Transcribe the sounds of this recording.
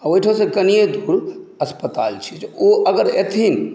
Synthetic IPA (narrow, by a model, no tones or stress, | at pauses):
aoiʈʰaw̃sẽkənijed̪ʱuɾəspət̪alt͡ʃʰi̥d͡ʒoəɡəɾet̪ʰin